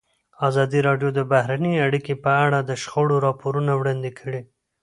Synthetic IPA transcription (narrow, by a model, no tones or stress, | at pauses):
azɑd̪iɾɑɖjod̪əbahɾanəaɽikepəaɽad̪əʃxoɽoɾɑpoɾunawɽɑnd̪ekʰəɽi